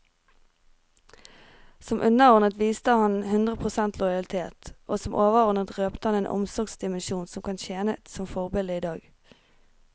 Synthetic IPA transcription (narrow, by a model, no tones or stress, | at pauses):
sɔmʔʉnəʁɔʁnət̪ʋiːst̪əhɑnhʉnd̪ʁəpʰʁʊsɛnt̪ʰlɔjɑlɪt̪ʰeːt̪ʔoːsɔmʔoːʋəʁɔnət̪ʁøːpt̪əhɑneːnʔɔ̰msɔʁɡsd̪ɪmənʃuːnsɔmkʰɑːnçeːnət̪sɔmfɔʁbɛːld̪əiːd̪ɑːɡ